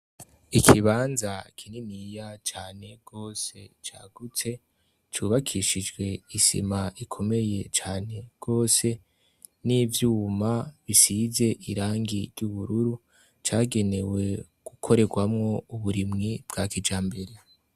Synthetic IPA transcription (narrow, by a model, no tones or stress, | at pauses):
ikʰiβaːnzakʰininijat͡ʃaːne̞ɡ̥o̞ːse̞̰t͡ʃa̰ːɡ̥ut͡se̞ | t͡ʃuːβakʰiʃid͡ʒɡwe̞isḭmaikʰo̞me̞je̞t͡ʃaːne̞bɡ̥o̞ːse̞ | nivjuːmaβisize̞ʔiɾaːŋɡiɾjuβuɾuɾu | t͡ʃaːɡe̞ne̞we̞ | ɡ̥ukʰo̞ɾe̞ɡwamŋo̞uβuɾimŋib̥ɡ̥aːkid͡ʒaːmbeɾe